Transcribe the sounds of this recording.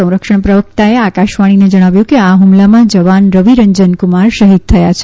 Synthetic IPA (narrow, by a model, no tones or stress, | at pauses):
ə̃w̃ɾəkʃəɳpɾəʋək̚t̪aeakaʃʋaɽ̃ined͡ʒəɽ̃aʋjũkeaɦumlamãd͡ʒəʋanɾəʋiɾəɲd͡ʒənkumaɾʃəɦid̪̚t̪ʰəjat͡ʃʰ